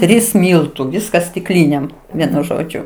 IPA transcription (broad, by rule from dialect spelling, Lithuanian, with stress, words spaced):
ˈtʲrʲiːs ˈmʲiːlˠtʊ ˈʋʲɪskɐs sʲtʲɪkˈlʲiːnʲeːm ˈʋʲiɛnʊ ˈʒoːd͡ʒʲʊ